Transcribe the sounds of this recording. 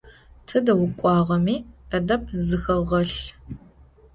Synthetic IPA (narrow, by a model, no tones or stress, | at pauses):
tʰɨdɐwʊkʷʼɑːʁɐmiːɐdɐp̚ʰzɨxɐʁɐɬ